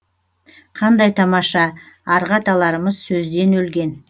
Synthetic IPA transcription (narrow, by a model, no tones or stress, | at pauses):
qʰɑnd̪ɑjt̪ʰɑmɑʃɑ | ɑɾʁɑt̪ɑlˠɑɾəməzsɵzd̪e̞nɵlɡʲe̞n